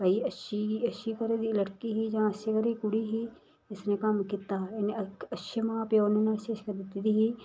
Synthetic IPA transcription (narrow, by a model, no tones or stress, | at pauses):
kɐiɐʃiiɐʃikɐɾed̪ilɐʈkiɦid͡ʒãːɐʃjekɐɾeikʊɽiɦiː | ɪsnekɐmkɪt̪aːneɐʃəmãːpeonːnaɪʃeːʃkɐɾd̪ɪt̪id̪iɦiː